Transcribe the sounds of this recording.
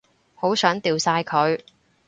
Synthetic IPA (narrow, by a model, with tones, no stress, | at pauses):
ho˨˥wsœː˨˥ŋt̪iː˨wsaː˧jkʰɵ˨˧ɥ